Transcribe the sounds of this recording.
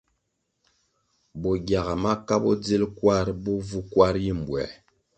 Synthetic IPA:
bɔ˨ɡja˨ɣa˨ma˦ka˦bɔ˦d͡zi˦lkwa˦ɾbɔ˦vu˦kwa˦ɾji˦m̩˨bwɛ̰˨

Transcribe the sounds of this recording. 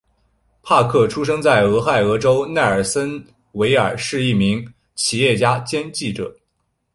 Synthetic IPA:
pʰa˥˧kʰɤ˥˩ʈ͡ʂʰu˥ʂɤ˥ŋt͡sa˥˩ɪɤ˧˥xa˥˩ɪɤ˧˥ʈ͡ʂo˥ʊna˥˩ə˞˨˩sə˥n | we˧˥ɪə̰˞˨˩ʂɻ̩˥˧i˥˩mi˧˥ŋ | t͡ɕʰi˨˩jɛ˥˩t͡ɕja˥t͡ɕjɛ˥nt͡ɕi˥˩ʈ͡ʂɤ̰˨˩˦

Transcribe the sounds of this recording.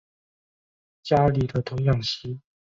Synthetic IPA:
t͡ɕja˥li˨˩d̪ə˧t̪ʰʊ˧˥ŋjɑ˥˩ŋɕi˥

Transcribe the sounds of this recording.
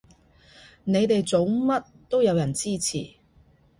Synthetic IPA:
ne˨˧jt̪e˨jt͡so˨˥wmɐ˥t̚ | t̪o˥wjɐ˨˧wjɐ˨˩nt͡siː˥t͡sʰḭː˨˩

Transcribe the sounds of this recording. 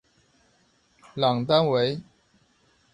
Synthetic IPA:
lɑ˨˩ŋt̪a˥nwe˨˧˥ɪ

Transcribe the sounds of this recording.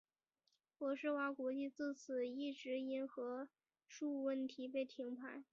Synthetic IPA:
pwɔ˧˥ʂɻ̩˥˩wa˧˥kwɔ˧˥t͡ɕi˥˧t͡sɹ̩˥˩t͡s̩ʰ˨˩i˥˩ʈ͡ʂɻ̩˧˥i˧˥nxɤ˧˥ | ʂu˥˧wə˥˩nt̪ʰi˧˥pe˥˩ɪt̪ʰi˧˥ŋpʰa˧˥ɪ

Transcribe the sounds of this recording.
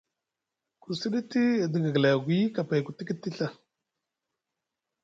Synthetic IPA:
ku˨si˦ɗi˦ti˦˨di˨ɡa˨ɡla˨ɡʷu˨˦ji˦ka˨pa˨jku˨ti˦ki˦ti˦ɬa˦

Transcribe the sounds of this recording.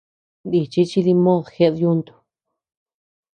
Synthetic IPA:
nd̪i˧˨t͡ʃi˦t͡ʃi˧ði˧mõ˦ðxe˧ʔðju˦nd̪u̥˧

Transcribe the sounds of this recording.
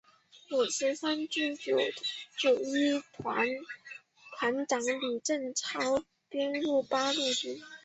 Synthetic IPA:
lu˨˩ɕɛ˧˥sa˥nʈ͡ʂ̩˥˩t͡ɕjo˨˩ʊʈ͡ʂu˨˩i˥a˧˥n | t̪ʰwa˧˥nʈ͡ʂɑ˧˥ŋli˨˩ʈ͡ʂə˥˩nʈ͡ʂʰɑ˥ʊ | pjɛ˥nlu˥˩pa˥lu˥˧ʈ͡ʂi˥˩

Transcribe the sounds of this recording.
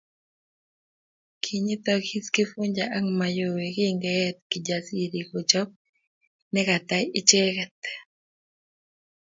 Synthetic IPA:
kʰi˨ɲi˦t̪ɔkhi˦skɪ˦fu˦ɲd͡ʒaʔa˦ŋma˨jo˨we˨ki˦ŋɡɛɛ˦t̪̚kɪ˨d͡ʒasi˦ɾi˨kɔ˨t͡ʃɔ˦p̚ | nɛ˦ka˨t̪a˦jɪ˦t͡ʃe˦kɛ˨t̪

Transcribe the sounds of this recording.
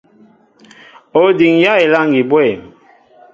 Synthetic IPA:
o˨di˨ŋja˦e˨la˦˨ŋɡi˨bwɛ˦˨m

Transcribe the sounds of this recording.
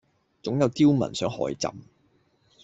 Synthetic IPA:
t͡sʊ˨˥ŋjɐ˨˧wt̪iː˥wmɐ̰˨˩nsœː˨˥ŋhɔ̰ː˨˥jt͡sɐ̰˨m

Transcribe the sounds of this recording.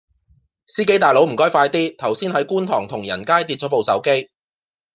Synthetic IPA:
siː˥ke˨˥jt̪aː˨jlo˨˥wm̩˨˩kɔː˥jfaː˧jt̪iː˥t̪ʰɐ˨˩wsiː˥nhɐ˨˥jkuː˥nt̪ʰɔ̰ː˨˩ŋt̪ʰʊ˨˩ŋjɐ̰˨˩nkaː˥jt̪i˧t͡ʃɔː˨˥po˨wsɐ˨˥wke˥j

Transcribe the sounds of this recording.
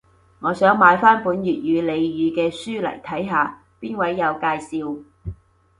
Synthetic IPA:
ŋɔː˨˧sœː˨˥ŋmaː˨˧jfaː˥npuː˨˥njyː˨t̚jyː˨˧le˨˧jjyː˨˧kɛː˧syː˥lɐ̰˨˩jt̪ʰɐ˨˥jɦaː˨˧ | piː˥nwɐ˨˥jːɐ˨˧wkaː˧jsiː˧w

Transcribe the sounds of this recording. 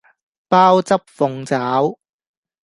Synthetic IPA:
paː˥wt͡sɐ˥p̚fʊ˨˧ŋt͡saː˨˥w

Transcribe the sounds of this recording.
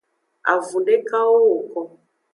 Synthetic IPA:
a̰˨vu˨ndɛ˦ka˦o˦o˨kɔ˦

